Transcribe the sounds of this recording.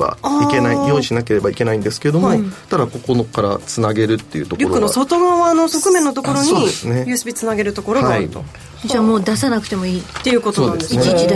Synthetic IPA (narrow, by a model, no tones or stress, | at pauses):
ba̰ike̞naijõːɲiɕinake̞ɾe̞baike̞naĩnd̪e̞sɨ̥ked̪omot̪ad̪ako̞ko̞no̞kaɾa̰t͡sɨnaɡe̞ɾɯ̟t̪ːe̞jɯ̟ːt̪oɾʲoɾkːɯnosot̪oɡãːno̞so̞kɯ̟mẽ̞nːot̪o̞ko̞ɾosɲ̟ioisnejɯsɨbʲit͡sɨnaɡe̞ɾɯ̟t̪o̞ko̞ɾohai | d͡ʑaːmo̞ːd̪asanakɯ̟t̪e̞mo̞iːt̪ːe̞jɯ̟kot̪osoːd̪edesiniid̪